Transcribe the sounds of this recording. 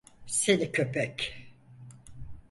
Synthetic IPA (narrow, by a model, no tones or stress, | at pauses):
senikʰøpʰɛc